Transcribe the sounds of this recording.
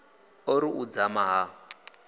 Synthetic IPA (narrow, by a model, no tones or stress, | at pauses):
ɔɾiʔud͡zamaɦa